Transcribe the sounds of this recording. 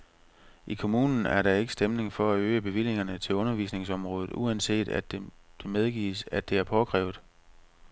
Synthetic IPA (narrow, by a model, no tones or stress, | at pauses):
ʔikʰo̝muːnn̩æɐɾɑ̈e̝ɡ̥ə̥sd̥emne̝ŋfɒ̽æøːəb̥e̝ʋil̰je̝ŋɐnət͡sʰe̝lɔ̽nɐʋiːsne̝ŋsɒ̽mʁɔ̽ːð̞ˠð̩ˠʔuænse̝̰ːd̥æ̥d̥emeð̞ˠɡ̥ḭːsæd̥e̝æɐpʰɒɡ̥ʁɛ̰ːʊðˠ